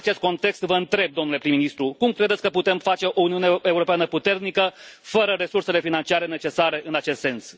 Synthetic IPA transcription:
t͡ʃe̞st̪̚ko̞nt̪e̞kst̪vəɨnt̪ɾe̞b̚d̪o̞mnule̞pɾimːinist̪ɾukumkɾe̞d̪e̞t̪sʲkəput̪e̞mfat͡ʃe̞ʔouniuneeuɾo̞peanəput̪e̞rnikəfəɾəɾe̞surse̞le̞finant͡ʃiaɾe̞ne̞t͡ʃe̞saɾe̞ʔɨnat͡ʃe̞st̪se̞ns

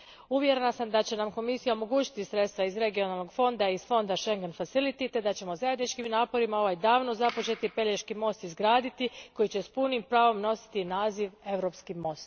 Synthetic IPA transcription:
uʋjeɾenasamd̪at͡ɕe̞namko̞misijaomo̞ɡuːt͡ɕi̥t̪isɾe̞t̪st̪ʋaizɾe̞ɡio̞nalno̞ɡfo̞nd̪aizfo̞nd̪aʃe̞ŋɡenfatsilit̪it̪e̞d̪at͡ɕe̞mo̞zaje̞d̪nit͡ʃkimnaːpo̞ɾimao̞ʋajd̪aːʋnozapo̞t͡ʃe̞t̪ipe̞ʎeʃkimo̞st̪izɡɾaːd̪it̪iko̞jit͡ɕe̞spunimpɾaːʋo̞mno̞si̥t̪inaːziʋe̞ʋɾo̞pskimo̞st̪

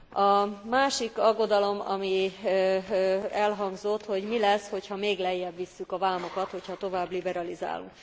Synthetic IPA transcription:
ɒmaːʃikɒɡːo̞d̪ɒlo̞mɒ̰mi | ɛlɦɒŋɡzo̞t̪ho̞ɟmilɛsho̞chɒmeːɡlɛjːɛbʋisːykɒvaːmo̞kɒt̪ho̞chɒt̪o̞vaːblibɛɾɒliza̰ːlṵŋk

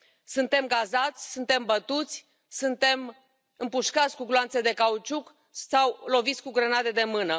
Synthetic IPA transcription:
sunt̪e̞mɡazat̪sʲsunt̪e̞mbət̪ut̪sʲ | sunt̪e̞m | ɨmpuʃkat̪sʲkuɡloansed̪e̞kaut͡ʃuk | sawlo̞vit̪sʲkuɡɾənad̪e̞d̪e̞mɨnə

